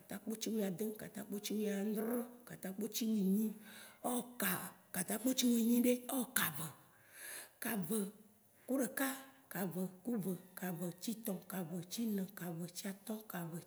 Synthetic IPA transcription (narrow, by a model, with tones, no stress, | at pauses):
ka˨t̪a˦k͡po˦t͡ɕi˦wũ˦˨a˨d̪e˦ka̰˨t̪ã˦k͡po˦t͡ɕi˦wi˦a˨n˦d̪ɾɔ̃˦ka˨t̪ã˦k͡po˦t͡ɕi˦wi˨ɲĩ˦o˦ka˨ka˨t̪ã˦k͡po˦t͡ɕi˦wĩ˨ɲĩ˦ɖe˦o˦ka˨və˨ | ka˨və˨ | ku˦ɖe˨ka˦ | ka˨və˨ku˦və˨ka˨və˨t͡ɕi˦t̪ɔ̃˨ka˨və˨t͡ɕi˦nə̃˨ka˨və˨t͡ɕi˦a˨t̪ɔ˦ka˨və˨